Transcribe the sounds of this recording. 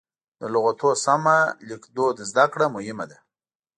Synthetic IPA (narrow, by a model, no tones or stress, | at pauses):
d̪əlʊɣat̪osamalikd̪od̪zd̪akɽamʊhɪmad̪a